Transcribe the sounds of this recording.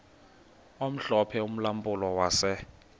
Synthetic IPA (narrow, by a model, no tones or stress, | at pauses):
om̩ɬɔpʰɛum̩lampʼʊlɔwaːsɛ